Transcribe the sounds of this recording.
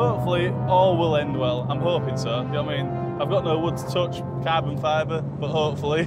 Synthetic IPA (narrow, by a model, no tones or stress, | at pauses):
hoʊpfəlˠiɔːlˠwɪlˠɛ̃ndwɛlˠã̰ɪ̃mɦoʊpɪ̃ŋsoʊdaɪmĩːn | aɪvɡɒʔnoʊwʊdz̥tʰʊt͡ʃ | kʰabə̃nfaɪbə | b̥ʊʔɦoʊpfəl̩ˠi